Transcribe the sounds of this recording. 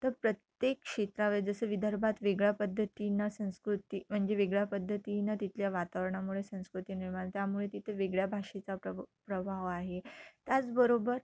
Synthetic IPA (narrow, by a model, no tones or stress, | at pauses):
t̪əɾpɾət̪jekkʂet̪ɾaʋəd͡zəsəːʋid̪ʱəɾbʱat̪ʋeɡɭjapəd̪ʱːət̪inasə̃w̃skɾut̪im̤əɳd͡zeʋeɡɭjapəd̪ʱːət̪inat̪it̪ljaʋat̪aʋəɾɳamuɭesə̃w̃skɾut̪iːniɾmaɳt̪jamuɭet̪it̪ʰəʋeɡɭjabʱaʂet͡saəpɾəbʱaʋaɦet̪jat͡sbəɾobəɾ